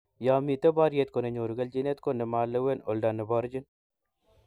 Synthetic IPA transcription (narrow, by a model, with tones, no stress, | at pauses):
ja˨mi˨t̪e˦ba˦ɾje˦t̪ko˨ne˨ɲo˨ɾu˨ɡɐ˦ld͡ʒi˦ne˦t̪ko˦nɛ˨ma˨lːe˦we˦no˨lda˨nːɛ˨bɔ˨ɾd͡ʒɪ˦n